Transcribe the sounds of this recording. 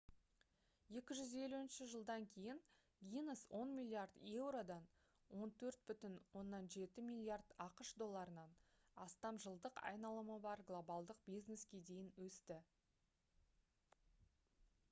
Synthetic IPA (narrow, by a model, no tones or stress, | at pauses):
je̞kʲɪʒʏze̞luɪnʃɪʒəlˠd̪ɑŋkʲʰe̞jɪn | vʲinəswo̞nmʲilʲːˠiard̪e̞wɾo̞d̪ɑn | wo̞nt̪ʰɵɾt̪̚bʏt̪ɪnwo̞nːɑnʒe̞t̪ɪmilʲːiard̪ɑqəʃd̪o̞lˠːɑɾənɑn | ɑst̪ɑmʒəlˠd̪əqɑ̰jnɑlˠəməbɑɾɡlˠo̞bɑlˠd̪əq̚bijzne̞skʲe̞d̪e̞jɪnwɵst̪ɪ